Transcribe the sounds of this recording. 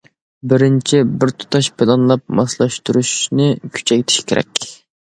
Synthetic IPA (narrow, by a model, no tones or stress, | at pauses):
bɪɾɪnt͡ʃʰibɪɾt̪ʰu̥t̪ʰɑʃbɪlɑnlˠɑp̚mɑslˠɑʃt̪uɾuʃnɪkʲʰy̥t͡ʃʰɛkʲt̪ʰɪ̥ʃkʲʰeɾʔɛ̰kʲ